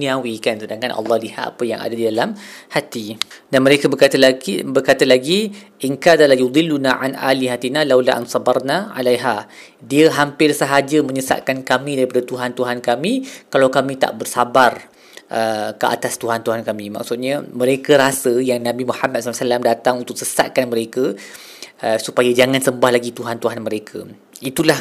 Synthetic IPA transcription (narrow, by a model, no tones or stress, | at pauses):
nĩawikansədaŋkanʔɑ̰lːɑhliɦat̪a̰pəjaŋa̰dadidalamhat̪idanməɾekabəkat̪bərkat̪alaɡiʔinkaðalajud̪ˤɪlːunaʕa̰nʔa̰liɦat̪inalawlaʔa̰nsˤɑbɑɾnaa̰lajɦa | diəɦampɪrsəɦad͡ʒəmə̃ɲəsa̰ʔkankamĩdaɾipadət̪uɦant̪uɦankamĩkalawkamĩt̪a̰ʔbərsabar | ʔəkəʔa̰t̪ast̪uɦant̪uɦankamĩma̰ksʊt̪̚ɲamə̃ɾekəɾasəjaŋnãbimuħamat̪̚ssalamdat̪aŋunt̪ʊk̚səsa̰t̪̚kanməɾekə | əsupajad͡ʒaŋãnsəmbahlaɡit̪uɦant̪uɦanməɾekʰə | it̪ulah